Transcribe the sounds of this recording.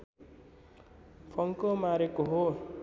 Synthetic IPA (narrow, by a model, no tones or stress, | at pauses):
pʰʌŋkomaɾekoɦo